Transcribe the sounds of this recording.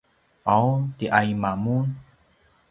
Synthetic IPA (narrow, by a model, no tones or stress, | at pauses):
ʔɔwt̪iʔaimamun